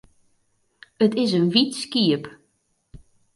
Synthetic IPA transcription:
ətɪsənʋitskiəp

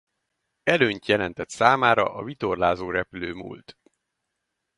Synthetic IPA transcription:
ɛløːɲt̪jɛlɛn̪t̪ɛt̪saːmaːɾɒ̰ʔɒvit̪orlaːzoːɾɛpyløːmṵːlt̪

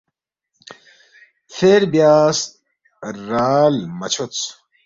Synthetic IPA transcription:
feɾbjaːs | ɾaːlmɐt͡ɕʰot͡s

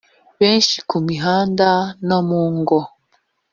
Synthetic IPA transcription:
βenʃi̥kumiɦandanomuːŋɡɔ

